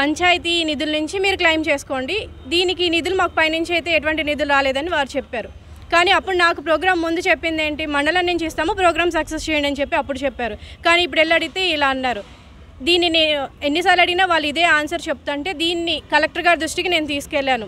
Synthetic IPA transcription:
pɐɲt͡ʃaːjt̪inid̪ulunuɲt͡ʃimiːɾuklɐjmt͡ʃe̞ːsu̥ko̞ːɳɖi | d̪iːnik̬iiːnid̪ulumaːku̥pɐjnɐnt͡ʃejt̪e̞ːʈuʋɐɳʈinid̪ulɾaːleːd̪ɐniʋaːɾut͡ʃepːaːɾu | kaːniːɐpːuɽunaːkupɾoːɡɾaːmːund̪ut͡ʃepːind̪eːɳʈimɐɳɖɐlɐnːint͡ʃist̪aːmupɾoːɡɾaːmsɐksest͡ʃeːjɐɳɖɐnit͡ʃepːiɐpːuɽut͡ʃɛpːaːɾukaːniːp̬ːuɽɛlːɐɽit̪eːilaːɐnːaːɾu | d̪iːnːineːnuenːisaːɾlɐɽinaːʋaːlːuid̪e̞ːaːnsɐɾt͡ʃep̚ut̪uɐɳʈe̞ːd̪iːnːikɐlek̚ʈɐɾɡaːɾd̪ɾuʂʈikine̞ːnut̪iːsu̥kɛlːaːnu

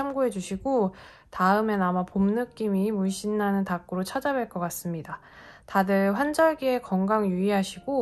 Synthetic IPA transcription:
amɡuɦe̞d͡ʑuɕʰiɡo | taɯme̞namapomnɯk͈imimuɭɕ͈inːanɯntak͈uɾot͡ɕʰad͡ʑabweɭk͈ʌk͈as͈ɯmɲida | tadɯɭɸwand͡ʑʌɭɡie̞kʌŋɡaŋjuiɦaɕʰiɡo

